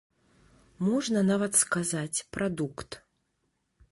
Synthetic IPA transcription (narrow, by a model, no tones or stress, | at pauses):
mɔʐnɐnavɐt̪skazat͡sʲpɾʔad̪ukt̪